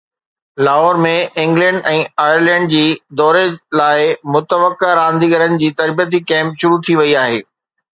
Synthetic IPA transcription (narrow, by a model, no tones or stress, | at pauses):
laːɦɔːɾmẽɪ̃ŋɡlɛ̃ɳɖɛ̃ːaːjəɾlɛ̃ːɳɖ̚d͡ʑiːd̪ɔːɾelaːɪmʊt̪əʋəkaɾãːnd̪ʱiɡɐɾənɪ̆d͡ʑiːt̪ɐɾbiət̪̬ikɛ̃ːmpʃʊɾut̪ʰiʋɐiaːɦeː